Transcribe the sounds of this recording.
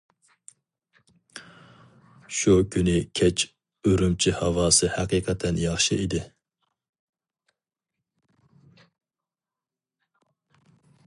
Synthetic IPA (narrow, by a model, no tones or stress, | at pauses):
ʃukʰʲynɪkʲʰɛt͡ʃʰ | øɾymt͡ʃʰihɑwɑːsɨhæqiqʰɛt̪ʰɛnjɑχʃɨid̪ɪ